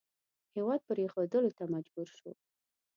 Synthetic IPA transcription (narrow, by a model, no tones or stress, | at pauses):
hewɑd̪̚pəɾexod̪əlot̪amad͡ʒbuɾʃo